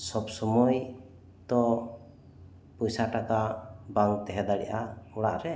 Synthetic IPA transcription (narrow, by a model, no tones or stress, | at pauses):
sɔbsɔmɔj | t̪ɔ | pɔjsaʈakabaŋt̪ɛɦɛd̪aɽɛ̰ʔaɔɽa̰ʔɾɛ